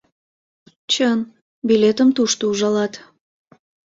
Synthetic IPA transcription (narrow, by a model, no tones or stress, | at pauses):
t͡ɕən | bilet̪əmt̪uʃt̪ouʒɑlɑt̪